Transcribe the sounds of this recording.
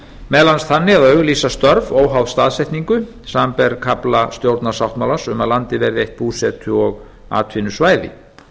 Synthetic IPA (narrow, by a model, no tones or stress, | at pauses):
mɛðlanstθʰanːɪaðœɥɣliːsast̪œɾvoːwɦawðst̪aːðsɛjht̪niŋkʏ | sampɛɾkʰaplast̪jowɾt̪nḁsawht̪mawlasʏmaðlant̪ɪvɛːɾðɪejht̪̚puːsɛt̪ʰʏɔɣ | a̰ːt̪ʰvɪnʏsvaːjðɪ̰